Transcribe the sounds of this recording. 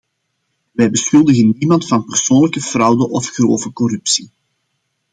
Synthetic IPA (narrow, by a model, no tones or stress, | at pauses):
ʋɛjbəsxɵlˠdəɣənːimɑntfɑnpərsoːnləkəv̥rɑwdəʔɔfxroːvəkɔrʉpsi